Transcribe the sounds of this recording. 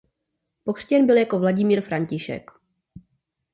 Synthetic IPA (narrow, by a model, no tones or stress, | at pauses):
pokr̝̥cɛnbɪljako̞vlaɟɪmiːɾfɾaɲcɪʃɛ̰k